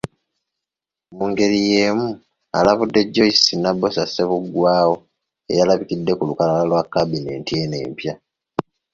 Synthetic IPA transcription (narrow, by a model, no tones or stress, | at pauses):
muːŋɡe̞ɾije̞ːmu | a̰laβudːe̞ɟːo̞isinabːo̞sasːe̞βuɡwaːwo̞ | e̞̰jalaβikidːe̞kulukalalalwakːabine̞ːntie̞ne̞̰ːmpja